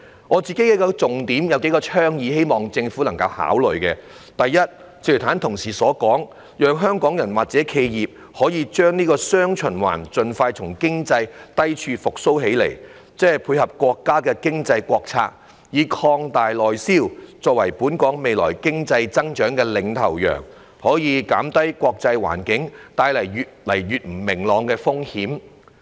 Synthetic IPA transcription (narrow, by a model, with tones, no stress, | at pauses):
ŋɔː˨˧t͡siː˨ke˨˥jkɛ˧˥kɔː˧t͡sʊ˨ŋt̪iː˨˥mjɐ˨˧wke˨˥jkɔː˧t͡ʃʰœː˥ŋjiː˨˧he˥jmɔː˨˩ŋt͡sɪ˧ŋfuː˨˥lɐ˨˩ŋkɐ˧wha̰ː˨˥wlɵ˨ɥkɛː˧ | t̪ɐ˨jːɐ˥t̚ | t͡sʰi˨˩˨t̪ʰaː˨˥nt̪ʰʊ˨˩ŋsiː˨˩sɔː˨˥kɔː˨˥ŋ | jœː˨˧ŋɦœː˥ŋkɔː˨˥ŋjɐ˨˩nwaː˨˩k̚t͡sɛ˨˥kʰe˧jjiː˨p̚ | hɔː˨˥jiː˨˧t͡ʃœː˥ŋniː˥kɔː˧sœː˥ŋt͡ʃʰɵ˨˩nwa̰ː˨˩nt͡sɵ˨nfaː˧jt͡sʰʊ˨˩ŋkɪ˥ŋt͡sɐ˧jt̪ɐ˥jt͡ʃʰyː˧fʊ˨k̚so˥wɦe˨˥jlḛ˨˩j | t͡sɛː˥˨˩jpʰuː˧jhɐ˨p̚kʷɔː˧kːaː˥kɛː˧kɪ˥ŋt͡sɐ˧jkʷwɔː˧k̚t͡sʰa̰ː˧k̚ | jiː˨˧kʰɔː˧ŋt̪aː˨jlɔː˨jsiː˥wt͡sɔː˧k̚wɐ˨˩jpuː˨˥nkɔː˨˥ŋme˨jlɔ̰ː˨˩jkɪ˥ŋt͡sɐ˧jt͡sɐ˥ŋt͡ʃœː˨˥ŋkɛː˧lɪ˨˥ŋt̪ʰɐ˨˩wjœ̰ː˨˩ŋ | hɔː˨˥jiː˨˧kaː˨˥mt̪ɐ˥jkʷwɔː˧k̚t͡sɐ˧jwa̰ː˨˩nkɪ˨˥ŋt̪aː˧jlɐ˨˩jɥyː˨t̚lɐ˨˩jɥyː˨t̚m̩˨˩mɪ˨˩ŋlɔː˨ŋkɛː˧fʊ˥ŋhiː˨˥m